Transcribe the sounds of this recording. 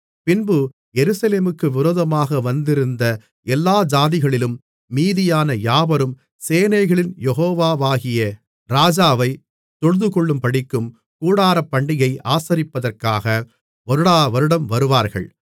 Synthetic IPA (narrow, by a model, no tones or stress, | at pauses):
pɪnbɯ | jɛɾɯsɐleːmɯkːɯʋɪɾoːðɐmaːɣɐʋɐnd̪ɪɾɯnd̪ɐ | ɛlːaːd͡ʒaːðɪɣɐɭɪlɯmː | iːðɪjaːnɐjaːbɐɾɯm | seːnɐɪɣɐɭɪnjɛɣoːʋaːʋaːɣɪjɐ | ɾaːd͡ʒaːʋɐɪ | t̪ɔɻɯðɯkɔɭːɯmpɐɽɪkːɯm | kuːɽaːɾɐpːɐɳɖɪɣɐɪʔaːsɐɾɪpːɐðɐrkaːɣɐ | ʔɔɾɯɽaːʋɐɾɯɽɐmʋɐɾɯʋaːɾɣɐ̰ɭ